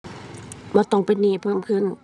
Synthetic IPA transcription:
mɔː˧˦t̪ɔ˧˩˨ŋpe˨nːiː˧˩˨pʰɤː˧˥˨mkʰɯ˧˥˨n

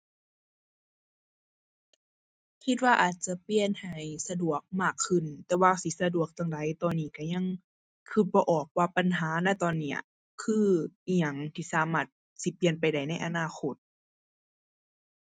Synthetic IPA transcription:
kʰi˧t̪̚waː˧ʔaː˨˩t̪̚t͡ɕa˧˦pi˧ənha˨˩jsa˧du˨˩ək̚maː˧˥˩kʰːɯ˧˩˨nt̪ɛː˧waː˧si˧˦sa˧du˨˧˩ək̚t̪aː˧˨ŋda˧˦jt̪ɔː˧˨nːiː˧˩ka˧˩ɲa˧˥˨ŋ | kʰɯː˧˩t̪̚bɔː˧ʔɔː˨˩k̚waː˧pa˨nɦaː˨˦na˧˩jt̪ɔː˧˨nːi˧˩ɐ | kʰɯː˧ʔi˧ɲa˨˧˩ŋt̪ʰiː˧˩saː˨˦maː˧˩t̪̚ | si˧˦pli˧ənp̬a˨jda˧˩jna˧˥˩jʔa˧˨naː˧˨xʰo˧˦˩t̪̚

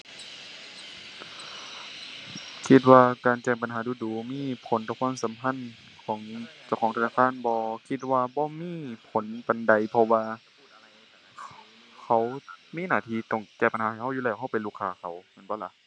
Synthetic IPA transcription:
kʰi˧t̪̚waː˧kaː˨nt͡ɕɛː˧˩ŋpa˨nɦaː˨˦duː˧˩duː˨˩miː˧˥˨pʰo˨˦nt̪ɔː˧˦kʰuː˧˥˨msa˨˦mpʰa˧˥˨n | kʰɔː˨˦ŋt͡ɕa˧˩wxʰɔː˨˦ŋt̪ʰnaː˧˩kʰaː˧˥˨nbɔː˧˦kʰi˧t̪̚waː˧bɔː˧˦miː˧˥˨pʰo˨˦npa˨nda˨˩jpʰɔ˧waː˧ | kʰa˧˩wmiː˧˥˨naː˧˩t̪ʰiː˧˨t̪ɔ˧˩ŋt͡ɕɛː˧˩pa˨nhaː˨˦ha˨˩jha˧˥˨wjuː˧˨ɛː˧˩˨hɦa˧˩˨pe˨nluː˧˩kʰːaː˧˩kʰa˨˩wmɯ˧˥˨bɔː˧˦˨la˧˦ʔ

